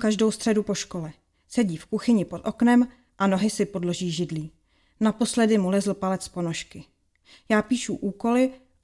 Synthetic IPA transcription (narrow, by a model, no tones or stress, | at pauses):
kaʒdo̞wst̪r̝̥ɛdupo̞ʃkolɛ | sɛɟiːfkuxɪɲɪpo̞t̪ʔo̞knɛm | ʔano̞ɦɪsɪpo̞dlo̞ʒiːʒɪdliː | napo̞slɛdɪmulɛzl̩palɛt͡spo̞no̞ʃkɪ | jaːpiːʃṵʔuːko̞lɪ